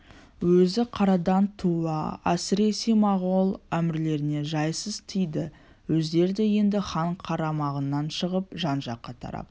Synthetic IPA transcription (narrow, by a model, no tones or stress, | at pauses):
wɵzɪqʰɑɾɑd̪ɑnt̪ʰuɑæsɪɾe̞semɑʁolˠæmɪɾle̞ɾɪne̞ʒɑjsəzt̪ʰijd̪ɪ | wɵzd̪e̞ɾd̪ɪje̞nd̪ɪχɑɴqʰɑɾɑmɑʁənːɑnʃəʁəp̚ʒɑnʒɑqːɑt̪ʰɑ̰ɾɑ̰p̚